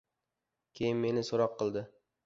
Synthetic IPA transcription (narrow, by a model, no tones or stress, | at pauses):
kʲʰejɪnme̞nɪsoɾɒqʰːɨlˠd̪ɪ